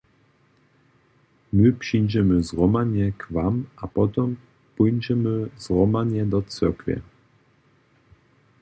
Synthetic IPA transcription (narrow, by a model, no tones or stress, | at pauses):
mɘpʂijd͡ʑɛmɘzɾɔmaɲɛkvamʔapɔt̪ɛm | pujɲd͡ʑɛmɘzʁɔmaɲɛd̪ɔt̪t͡sɛɾkvʲjɛ̰